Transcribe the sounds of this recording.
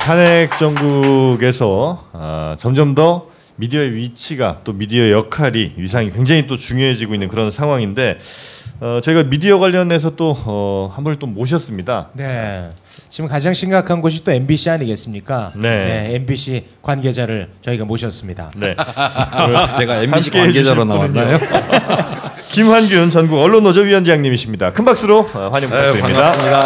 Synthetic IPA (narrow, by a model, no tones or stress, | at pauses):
tʰanek̚t͡ɕ͈ʌŋɡuɡe̞sʰʌʌt͡ɕʌmd͡ʑʌmdʌ | midiʌeɥit͡ɕʰiɡa̰t͈omidiʌejʌkʰaɾiɥis̬ʰaŋikwe̞ŋd͡ʑaŋit̬͈ot͡ɕuŋjoɦe̞d͡ʑiɡoinːɯnkɯɾʌnsʰaŋɦwaŋinde̞ | ʌt͡ɕʌiɡamidiʌɡwaʎːʌne̞s̬ʰʌt͈oʌhambʌnit͈omoɕ̬ʰʌs͈ɯmɲida̰ne̞ | t͡ɕimkad͡ʑaŋɕʰiŋɡakʰanɡoɕ̬ʰit͈oe̞nbiɕʰiaɲiɡe̞s͈ɯmɲik͈ane̞ne̞enbiɕʰi | kwanɡe̞d͡ʑaɾɯɭt͡ɕʌiɡamoɕʰʌs͈ɯmɲida̰ne̞ | t͡ɕeɡaeaik͈eeɡeaɾonawaao | kimwanɡjunnt͡ɕʌnɡuɡʌɭːonod͡ʑʌɥiwʌnd͡ʑijaŋɲimiɕʰimɲidakʰɯnbak̚s͈ɯɾohwaɲʌmɡaɯɾimɲidaa